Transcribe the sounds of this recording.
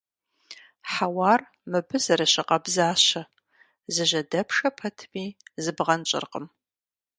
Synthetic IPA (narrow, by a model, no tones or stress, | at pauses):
ħawɑːr | mɨbɨzɐɾɐɕɪqɐbzaːɕɐ | zɨʒɐdɐpʰʂɐpʰɐtʰmiːzɨbʁɐnt͡ʃʼɪ̰rqʼə̰m